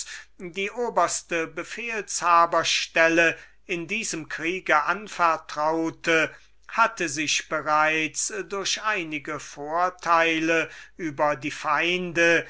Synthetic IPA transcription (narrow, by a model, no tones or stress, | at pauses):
diːʔoːbɐstəbəfeːlshaːbɐʃtɛlə | ɪndiːzəmkʁ̥iːɡəʔanfɛɐtʁ̥aʊtʰə | hatəzɪʃb̥əʁaɪt͡sdʊɐɕʔaɪnɪɡəfoːɐtʰaɪləʔyːbɐdiːfaɪndə